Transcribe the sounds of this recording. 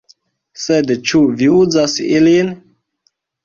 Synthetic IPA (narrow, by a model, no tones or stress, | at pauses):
sedt͡ʃuviuzasilin